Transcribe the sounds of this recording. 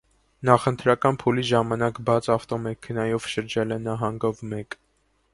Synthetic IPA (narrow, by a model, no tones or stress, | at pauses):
nɑχənt̪ʰɾɑkɑnpʰuliʒɑmɑnɑkbɑt͡sʰɑft̪ɔmɛkʰənɑjɔvʃəɾd͡ʒɛlɛnɑɦɑŋɡɔvmɛk